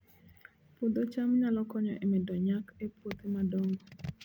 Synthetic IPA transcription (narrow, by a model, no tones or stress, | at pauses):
pʊd̪ot͡ʃamɲalɔkɔɲɔ̰ʔemɛdɔɲakepwot̪emadoŋɡo